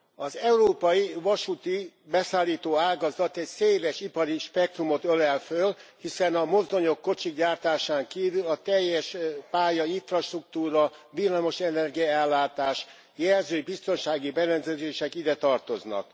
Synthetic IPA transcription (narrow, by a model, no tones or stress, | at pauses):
ɒzɛuɾoːpɒjivɒʃut̪i | bɛsaːlːiːt̪oːaːɡɒzɒt̪ɛcseːlɛʃipɒɾiʃpɛk̚t̪rumo̞t̪ølɛlfølhisɛnɒmo̞zd̪o̞ɲo̞kːo̞t͡ʃiɡɟaːrt̪aːʃaːŋkiːvylɒt̪ɛjːɛʃpaːjɒiɱfrɒʃt̪rukt̪uːɾɒvilːɒmo̞ʃɛnɛrɡijɒɛlːaːt̪aːʃ | jɛrzøːbist̪o̞nʃaːɡibɛɾɛnzɛzeːʃɛkid̪ɛt̪ɒrt̪o̞znɒ̰k